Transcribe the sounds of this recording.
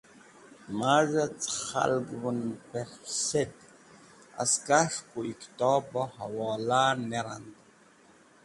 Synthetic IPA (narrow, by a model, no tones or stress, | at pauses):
maːʒat͡sʰʼχa̰lɡwʊnpʰɛχsɛt̪ | a̰skʼaʂkʷʼuikʰʼtʼɔːbɔhawɔːlaːneɾant̪